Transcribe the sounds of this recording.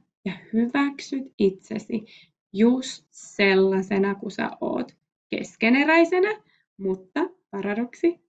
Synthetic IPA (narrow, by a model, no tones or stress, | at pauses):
jɑhyʋæksyt̪it̪sḛsi | just̪selːɑsenɑkusæ̰ʔo̰ːt̪ | kḛskeneræjsenɑ | mut̪ːɑpɑɾɑdoksi